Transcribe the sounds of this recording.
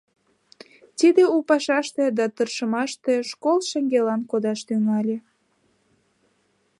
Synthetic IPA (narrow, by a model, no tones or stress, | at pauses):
t̪id̪eupɑʃɑʃt̪ed̪ɑt̪ərʃəmɑʃt̪eʃkolʃeŋɡelɑnkod̪ɑʃt̪yŋɑlʲe